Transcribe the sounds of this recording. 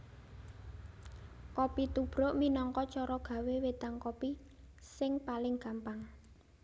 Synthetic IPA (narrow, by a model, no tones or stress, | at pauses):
kɔpit̪ub̥ɾoʔminɔŋkɔt͡ʃɔɾɔɡ̥a̤wewet̪aŋkɔpi | sɪŋpalɪŋɡ̥a̤mpaŋ